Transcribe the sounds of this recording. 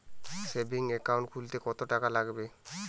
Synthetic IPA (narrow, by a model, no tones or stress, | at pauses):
sebiŋekawɳʈkʰult̪ekɔt̪oʈakalaɡbe